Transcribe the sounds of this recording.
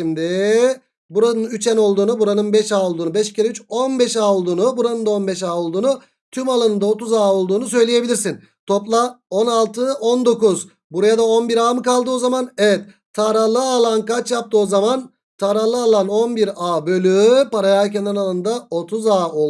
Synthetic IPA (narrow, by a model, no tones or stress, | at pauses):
imd̪ɪ | buɾanɯnyt͡ʃɛno̞lˠd̪uːnubuɾanɯnbɛʃaːolˠd̪uːnubɛʃcʰiɾɛyt͡ʃo̞nbɛʃaːolˠd̪uːnubuɾanɯnd̪ao̞nbɛʃaːo̞lˠd̪uːnu | t̪ʰymalˠanɯnd̪ao̞t̪uzaːo̞lˠd̪uːnus̬ø̞jlʲeje̞bilʲiɾs̬in | t̪ʰo̞plˠao̞nalˠt̪ʰɯo̞nd̪o̞kuz | buɾajad̪ao̞nbiɾaːmɯkalˠd̪ɯozamanɛvɛt̪ | t̪ʰːaɾalˠɯalˠankat͡ʃjap̚t̪ʰɯozaman | t̪ʰaɾalˠɯalˠano̞nbiɾaːbø̞lʲypaɾajacɛnd̪ɛnalˠɯnd̪ao̞t̪ʰuzaːo